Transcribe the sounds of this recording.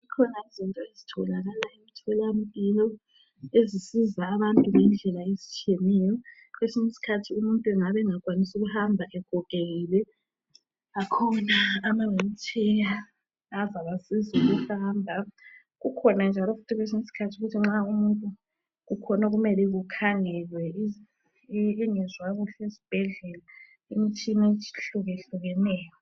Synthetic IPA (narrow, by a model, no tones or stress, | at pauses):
zikʰɔnaizintʼɔezitʰɔlaɣalaemitʰɛlam̩pʼilɔ | ezisizaːβantʼunɛnd͡ɮʱɛlaezit͡ʃʰʼiemɛjɔ | kwesinisi̥kʰatʰiumuntʼuɛŋaβɛŋakʼwanisuɣuhambʱaʔɛɡ̥ʱɔkʼeɣilɛ | akʰɔnaːmaŋem̩t͡ʃʰʼɛja | azaβasizuɣuhaːmbʱa | ɣukʰɔnand͡ʒʱalɔfu̥tʰiɣwes̬imisi̥kʰatʰiuɣutʰiŋ͡ǁaumuntʼu | ɣukʰɔnaɣumɛlɛɣukʰaŋɛlwɛi | ŋɛzwaɣuɬɛesi̥b̥ʱɛɮɛla | emit͡ʃʼʰinet͡ʃʰi̥ɬuɣeɬuɣɛnɛːjɔ